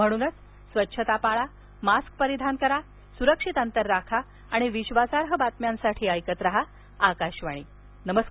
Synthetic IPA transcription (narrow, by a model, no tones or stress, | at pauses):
m̤əɽ̃uːnət͡s | sʋətːɕʰət̪apaɭa | mask̚pəɾid̪ʱankəɾa | suɾəkʂit̪ənt̪əɾːakʰaː | ɽ̃iʋiɕʋasaɾɦəbat̪mjãnsaʈʰiːəjkət̪ɾəɦa | akaɕʋaɽ̃iː | nəməsk